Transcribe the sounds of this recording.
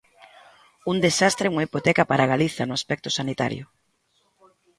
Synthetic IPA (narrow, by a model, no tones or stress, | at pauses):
und̪esast̪ɾeuŋaipot̪ɛkapaɾaɣaliθɐnʊaspɛk̚t̪ʊ̥sanit̪a̰ɾjʊ̰